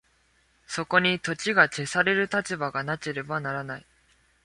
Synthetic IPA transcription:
so̞ko̞ɲ̟it̪o̞t͡ɕiɡat͡ɕe̞saɾe̞ɾɯ̟t̪at͡ɕibaɡanat͡ɕeɾe̞banaɾanai

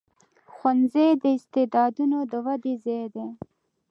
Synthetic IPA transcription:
xwanzed̪əɪst̪ed̪ɑd̪unod̪əwad̪ezed̪e

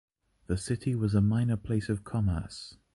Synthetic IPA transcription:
ðəsɪtʰiwɒzəmãɪ̃nəpʰl̥eɪsəv̥kʰɒmə̰ˑs

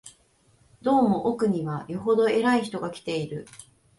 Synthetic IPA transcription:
d̪o̞ːmo̞ʔokɯ̟ɲ̟iβajo̞ɦo̞d̪o̞e̞ɾaiçi̥t̪o̞ɡakʲi̥t̪e̞iɾɯ̟

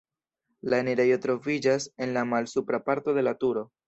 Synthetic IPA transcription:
laeneɾe̞jo̞t̪ɾo̞vid͡ʒase̞nlamalsupɾapaɾto̞ðe̞latuɾo̞

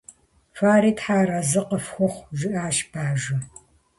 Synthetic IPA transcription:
faːɾiːtħaːɾɐzɨqəfxʷʊχʷʒɪʔaːʃbaːʒɐ

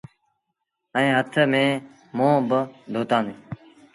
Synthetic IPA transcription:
ə̃ẽːɦət̪ʰmẽː | mõːbəd̪ʱoːt̪ãːnd̪eː

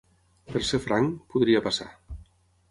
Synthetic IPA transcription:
pelˠsefɾaŋpuðɾiapasa̰

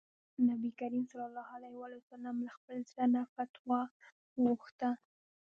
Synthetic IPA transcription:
nabikaɾimsɑlɑlːɑhalahwɑlaasalamlaxpəlzanafat̪wɑ | ɣoxt̪a

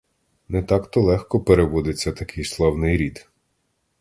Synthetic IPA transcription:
nɛt̪ɑkt̪ɔlˠɛxkɔpeɾeʋɔd̪ɪt͡sʲːɐt̪ɐkʰɪjslˠɑwnɪjɾʲid̪

